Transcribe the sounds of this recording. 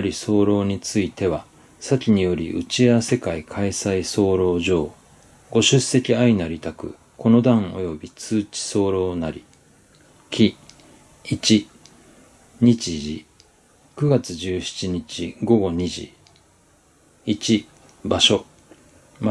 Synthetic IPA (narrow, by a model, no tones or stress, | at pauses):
ɾʲiso̞ːɾo̞ːɲ̟it͡sɨit̪e̞β̞a | sakʲiɲ̟ijo̞ɾʲḭʔɯ̰t͡ɕiaase̞kaikʰaisaiso̞ːɾo̞ːʑo̞ː | ɡ̥o̞ɕɨse̞kʲiainaɾʲit̪akɯ̟̰ | ko̞no̞d̪ãŋ̃o̞̰jo̞bʲit͡sɨːt͡ɕi̥so̞ːɾo̞ːnaɾʲḭ | kʲʰi | it͡ɕi | ɲ̟it͡ɕiʑi | kɯ̟ɡat͡sɨʑɨːçi̥t͡ɕiɲ̟it͡ɕiɡo̞ɡo̞ɲ̟iʑḭ | it͡ɕi | baɕo̞ | m